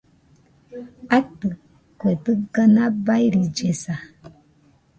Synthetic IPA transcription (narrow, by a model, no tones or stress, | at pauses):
atɨ | kwetɨɡənabajɾid͡ʒesa